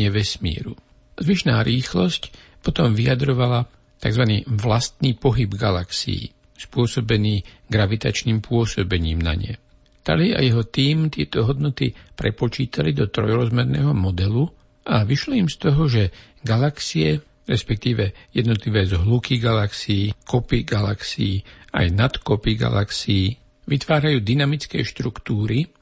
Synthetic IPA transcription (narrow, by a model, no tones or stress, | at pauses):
ɛʋɛsmḭɛ̰ɾu | zʋiʃnaːɾiːxlɔscpɔt̪ɔmʋiad̪ɾɔʋala | t̪aɡzʋanḭːʋlast̪niːpɔɦibɡalaksḭḭ | spʊɔsɔbɛniː | ɡɾaʋit̪a̰t͡ʃniːmpʊɔsɔbɛɲiːmna̰ɲɪɛ̰ | t̪a̰lia̰jɛɦɔt̪iːmt̪ɪɛt̪ɔɦɔd̪̚nɔt̪ipɾɛpɔt͡ʃiːt̪alid̪ɔt̪ɾɔjɾɔzmɛɾnɛ̰ːɦɔmɔd̪ɛlu | ʔaʋiʃlɔimst̪ɔɦɔʒɛ | ɡalaksiɛ | ɾɛspɛk̚t̪iːʋɛjɛd̪nɔt̪liʋɛzɦlukiɡalaksiiːkɔpiɡalaksiːa̰jnat̪kɔpiɡa̰la̰ksiiː | ʋit̪ʋaːɾajuːd̪inamit͡skɛ̰ːʃt̪ɾukt̪uːɾi